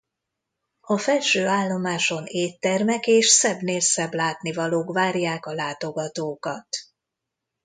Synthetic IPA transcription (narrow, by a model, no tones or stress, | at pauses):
ɒfɛlʃøːaːlːo̞maːʃo̞neːt̪ːɛrmɛkeːʃsɛbneːlsɛblaːt̪nivɒloːkvaːrjaːkɒlaːt̪o̞ɡɒt̪oːkɒt̪